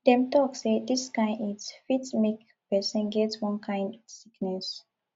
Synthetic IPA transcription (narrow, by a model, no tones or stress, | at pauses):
dɛ̃mtɔksediskãɪ̃nitsfitsmek | pɛsə̃nɡɛtswɔ̃nkʰãɪ̃ndɔ̥siknɛs